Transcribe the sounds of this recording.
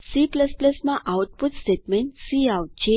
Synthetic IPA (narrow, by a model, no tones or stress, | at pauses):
sipləspləsmãʔawʈ̚putsʈeʈmẽnʈsiawʈd͡ʑe